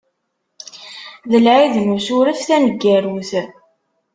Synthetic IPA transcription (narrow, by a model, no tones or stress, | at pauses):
ðəlʕiðnusʊɾæfθænəɡːæɾuθ